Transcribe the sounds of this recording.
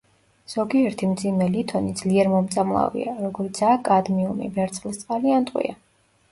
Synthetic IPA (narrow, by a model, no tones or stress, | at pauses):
z̥ɔɡiɛɾt̪ʰimd̪zimɛlit̪ʰɔnid̪z̥liɛɾmɔmt̪sʼamlˠa̰vḭaɾɔɡɔɾit̪sʰaːkʼad̪miumḭbɛɾt̪sχlist̪sʼqʼaliant̪ʼwḭa̰